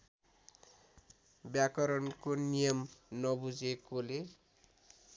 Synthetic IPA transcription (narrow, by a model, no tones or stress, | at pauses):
bjakʌɾʌnkonijʌmnʌbud͡zekole